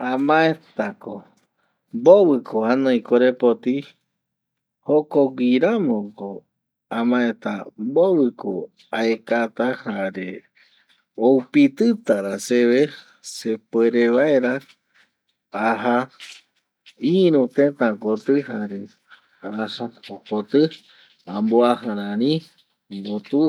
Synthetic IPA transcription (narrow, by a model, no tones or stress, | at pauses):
ãmãet̪ako | mboβɨkʰohanõĩkoɾepot̪i | hokoɡiɾamõko | ãmãet̪ambowɨko | aekat̪ahaɾe | owpit̪ɨt̪aɾaseβe | sepweɾeʋaeɾa | aɦa | ĩɾũt̪ẽt̪ãkot̪ɨɦaɾe | asaokot̪ɨ | ãmboahãɾãnĩ | mbot̪u